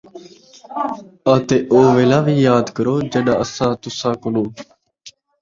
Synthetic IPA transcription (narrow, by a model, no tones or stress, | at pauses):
at̪eːʔoːʋeːlãːʋiːjaːd̪kəɾoːd͡ʒəɗaːəsãːt̪ʊsãːkonoː